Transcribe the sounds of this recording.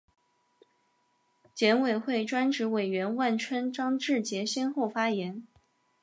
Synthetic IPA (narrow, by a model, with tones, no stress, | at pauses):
t͡ɕjɛ˧˥nwe˨˩ɪxwe˥˩ɪʈ͡ʂwa˥nʈ͡ʂɻ̩˧˥we˨˩ɪɥɛ˧˥nwa˥˩nʈ͡ʂʰwə˥nʈ͡ʂɑ˥ŋʈ͡ʂɻ̩˥˩t͡ɕjɛ˧˥ɕɛ˥nxo˥˩ʊfa˥jɛ˧˥n